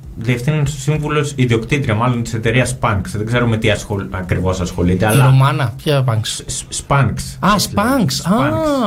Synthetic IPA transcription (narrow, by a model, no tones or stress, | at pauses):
ðiefθinɐnsosiɱvulo̞siðio̞kt̪it̪ɾiɐmɐlo̞nt̪ise̞t̪e̞ɾiɐspɐŋksðeɡze̞ɾome̞t̪iɐsxoɐkɾivo̞sɐsxo̞lit̪eɐlɐomɐnɐpçɐpɐŋkssspɐŋksɐspɐŋksɐɐ